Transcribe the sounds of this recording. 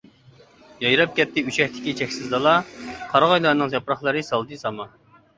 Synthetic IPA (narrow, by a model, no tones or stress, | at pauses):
jɑjɾɑp̚kʲɛt̪ʰːɪyt͡ʃʰɛhʲt̪ʰɪ̥kʲit͡ʃʰɛkʲsɪzd̪ɑlˠɑqʰɑɾʁɑjlˠɑɾnɨŋzɑpɾɑχlˠɨɾɨsɑlˠd̪ɨsɑmɑ